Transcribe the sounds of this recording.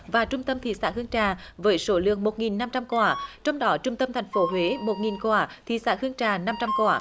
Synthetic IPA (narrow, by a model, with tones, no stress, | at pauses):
vaː˨˩t͡ɕʊ˧ŋ͡mt̪ə˧mt̪ʰḭ˧˨sa̰ː˧˥hɨ˧əŋt͡ɕaː˨˩vəː˨˦jso˨˦lɨ̰˧˨əŋmo˨˩t̚ŋi˨˩nːa˧mt͡ɕa˧mkwaː˧˩t͡ɕɔ˧wŋ͡mɗɔ˨˦t͡ɕʊ˧ŋ͡mt̪ə˧mt̪ʰɛ˨˩ŋ̟fo˨˦ɦwe˨˦mo˨˩t̚ŋi˨˩nkwaː˧˩tt̪ʰḭ˧˨sa̰ː˧˥hɨ˧əŋt͡ɕaː˨˩na˧mt͡ɕa˧mkwaː˧˩